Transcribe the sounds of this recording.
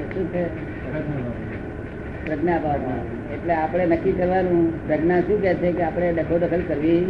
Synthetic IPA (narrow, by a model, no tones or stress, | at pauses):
ʃũt͡ʃʰe | pɾəɡnəabʱaɽã̰ | eʈleapɽ̃enəkːikəɾʋanũpɾəɡnaʃũk̬ɛt͡ʃʰekeapɽ̃eɖəkʰoɖəkʰəlkəɾʋi